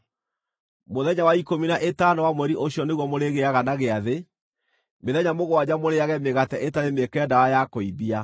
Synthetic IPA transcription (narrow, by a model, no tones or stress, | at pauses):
moðɛɲawaikominaʔetanɔwamoɛɾiʔoɕiɔneɣwɔmoɾeɣeaɣanaɣeaðe | meðɛɲamoɣoad͡ʑamoɾeaɣɛmeɣatɛʔetaɾemekɛɛdawajakoibia